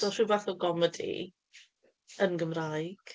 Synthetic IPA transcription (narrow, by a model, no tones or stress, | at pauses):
ɔrivaθɔɡɔmədḭ | ənɡəmrajɡ̥